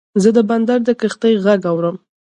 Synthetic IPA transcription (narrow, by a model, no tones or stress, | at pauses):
zəd̪əband̪aɾd̪əkəxt̪əjɣaɡawɾəm